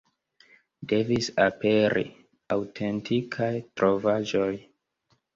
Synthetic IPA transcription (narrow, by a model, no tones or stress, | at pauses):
de̞visape̞ɾʔḭ | awtʰe̞ntʰikʰajtɾʔo̞vad͡ʒoj